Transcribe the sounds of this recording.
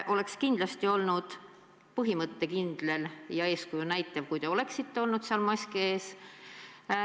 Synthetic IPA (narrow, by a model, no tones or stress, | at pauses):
ʔo̞le̞kskind̪̥lɑst̪io̞lnud̪̥ | pɤɦimɤt̪ːe̞kind̪̥le̞ljɑe̞ːskujunæjt̪ːˑɑv̥kujd̪̥e̞o̞le̞ksit̪ːeo̞lnud̪̥seɑlmɑsʲkee̞ːs